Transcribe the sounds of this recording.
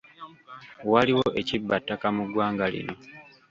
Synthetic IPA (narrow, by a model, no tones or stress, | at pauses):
waliwo̞ʔe̞cibːatːakamuɡwaːŋɡalḭno̞